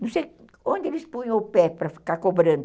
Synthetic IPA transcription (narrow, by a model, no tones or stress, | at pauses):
nɐ̃w̃sej | õnd̪ɪelɪspũjɐ̃ʊpɛpɾɐfi̥kaɾkobɾɐ̃nd̪ʊ